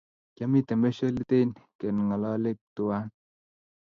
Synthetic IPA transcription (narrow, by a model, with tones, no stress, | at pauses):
kja˦mi˦t̪ɛ˨me˦so˦li˦t̪e˦nkɛ˨nŋa˨lɔ˦le˦k̚t̪u˨a˦n